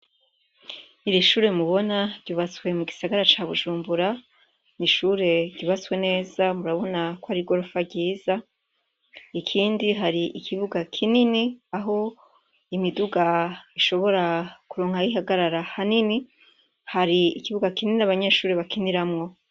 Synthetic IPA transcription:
iɾiʃuːɾe̞muβo̞naɾɟuːβat͡swe̞muɡisaɡaɾat͡ʃaβuʒuːmbuɾa | niʃuɾe̞ɟuβat͡swe̞ne̞ːzamuɾaβo̞nakwaɾiɡo̞ɾofaɟiːza | ikʰiːndiɦaɾiʔikʰiβuɡakʰininiaɦo̞ | imiduɡaiʃo̞βo̞ɾakuɾo̞ːŋhaiɦaɡaɾaɾahanini | haɾiikiβuɡakinininaβaɲe̞ːʃuːɾe̞βakiniɾamŋo̞

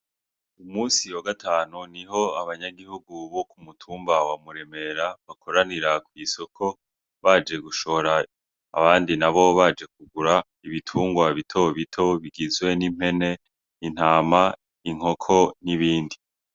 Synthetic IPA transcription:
umuːsijwoɡatʰaːnuniɦo̞aβaɲaɡihuɡuβo̞kumutʰuːmbawamuɾe̞me̞ɾaβakʰo̞ɾaniɾakwiːso̞kʰo̞ | βad͡ʒe̞ɡuʃo̞ɾa̰ː | βaːndinaβo̞βad͡ʒe̞k̚uɡuɾa | iβitʰuːŋɡwaβitʰo̞βitʰo̞βiɡizɡwe̞nim̥e̞ne̞ | in̥haːma | iŋ̥o̞kʰo̞niβiːndi

